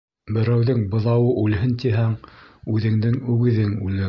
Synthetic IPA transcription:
bɘ̆ɾæwðɘŋbɤ̆ðɑwɤʔʉlɦɘnt̪iɦæŋʉðɘ̆ŋd̪ɘŋʉɡɘ̆ðɘŋʉlɘ

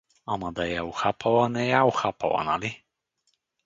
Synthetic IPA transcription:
amad̪ajawxapʰawanejawxapʰa̰wa̰nali

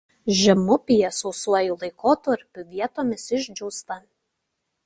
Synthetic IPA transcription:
ʒʲɛmʊpʲɪjɛsɔʊsuɔjulˠɐɪkoːt̪ɐɾʲpʲʊʋʲiɛt̪oːmʲɪsɪʒʲd͡ʒʲɔʊst̪ɐ

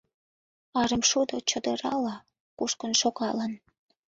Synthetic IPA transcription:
ɑɾəmʃud̪ot͡ɕəd̪əɾɑlɑ | kuʃkənʃokɑlən

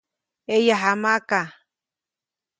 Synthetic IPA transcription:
ejaɦamaka

